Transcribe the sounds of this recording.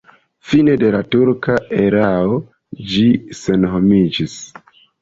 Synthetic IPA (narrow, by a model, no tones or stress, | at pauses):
fine̞de̞latuɾkae̞ɾao̞ | d͡ʒise̞nɦo̞mid͡ʒis